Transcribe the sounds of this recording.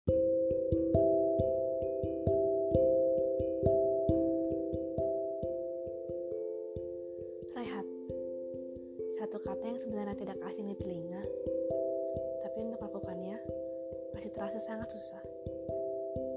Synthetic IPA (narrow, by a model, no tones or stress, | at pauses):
reɦat̪̚ | sat̪ukat̪ajaŋsəbənarɲat̪idakasɪŋdit̪iliɲa | t̪apiunt̪ʊklakukanɲa | masit̪əɾasasaŋat̪susah